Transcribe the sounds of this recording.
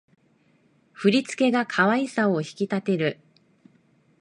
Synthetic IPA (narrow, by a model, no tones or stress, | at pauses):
ɸɯ̟ɾʲit͡sɨ̥ke̞ɡakʰaβaisaoçi̥kʲit̪at̪e̞ɾɯ̟